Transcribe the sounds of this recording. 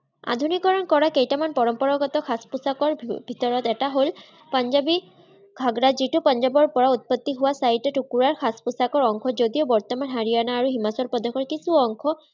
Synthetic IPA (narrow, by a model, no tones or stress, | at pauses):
a̰d̪ʱunikɔɹɔnkɔɹakejtamanpɔɹɔmpɔɹɔɡɔt̪ɔkʰaspusakɔɹbʱit̪ɔɹɔtɛtaɦol | panzabi | ɡʱaɡɹazitupanzabɔɹpɔɹaut̪̚pɔt̪ːiɦʊwasaitɛtukuɹaɹxʰaspʊsakɔɹɔŋkʰɔzodiobɔɹt̪ɔmanɦaɹijanaːɹuɦimasɔlpɔd̪ɔkʰɔɹkisuɔŋkʰɔ